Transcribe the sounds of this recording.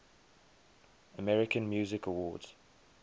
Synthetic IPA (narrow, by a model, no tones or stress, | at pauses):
əmɛɹɪkə̃nmjʉːzɪkəwɔːdz̥